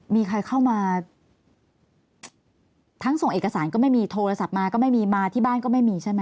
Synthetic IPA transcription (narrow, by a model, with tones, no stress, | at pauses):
miː˧kʰɾa˧jkʰa˥˩wmaː˧ | t̪ʰa˦˥ŋso˨˩ŋʔeː˨˩ka˧saː˩˦nkɔː˥˩ma˥˩jmiː˧t̪ʰoː˧ɾa˧sa˨˩p̚maː˧kɔː˥˩ma˥˩jmiː˧maː˧t̪ʰiː˥˩baː˥˩nkɔː˥˩ma˥˩jmiː˧t͡ɕʰa˥˩jma˦˥